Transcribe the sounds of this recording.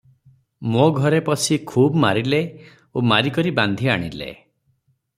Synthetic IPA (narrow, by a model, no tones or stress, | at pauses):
moɡʱɔɾepɔsʰikʰubmaɾile | omaɾikɔɾiband̪ʱiaɽ̃ḭlḛ